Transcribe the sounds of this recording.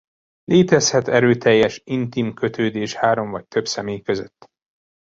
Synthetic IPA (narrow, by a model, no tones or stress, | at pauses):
lʔeːt̪ɛshɛt̪ɛɾøːt̪ɛjːɛʃint̪imkø̞t̪øːd̪eːʃhaːɾo̞ɱvɒc̚t̪ʰøbsɛmeːjkøzø̰t̪ː